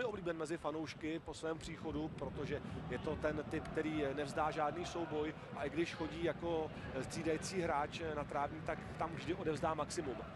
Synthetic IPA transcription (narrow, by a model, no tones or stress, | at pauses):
mɪʔobliːbɛnmɛzɪfanowʃkɪpo̞svɛːmpr̥iːxo̞dupɾo̞t̪o̞ʒɛjɛt̪o̞t̪ɛnt̪ɪpk̚t̪ɛɾiːnɛvzdaːʒaːdniːso̞wbo̞j | ʔaʔɪɡdɪʃxo̞ɟiːjako̞ | st͡siːdajit͡siːɦɾaːt͡ʃnat̪ɾaːvɲiːt̪akt̪amvʒdɪʔo̞dɛvzdaːmaksɪmum